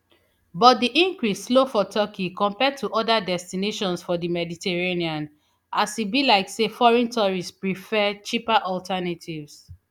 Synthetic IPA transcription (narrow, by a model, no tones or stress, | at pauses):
bɔt̚diʔĩŋkɹisslofɔtʰɔkʰikɔ̃mpɛd̚tʰuʔɔdadɛstineʃɔ̃nsfɔdimɛditʰɛɹeniãn | ʔasibilaɪksefɔɹɛ̃ntʰɔɹispɹifɛt͡ʃipaʔɔltʰɛnatʰivs